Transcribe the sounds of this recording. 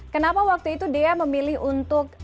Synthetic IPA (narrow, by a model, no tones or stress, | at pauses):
kənapawak̚t̪uit̪udeaməmilɪɦunt̪ʊk̚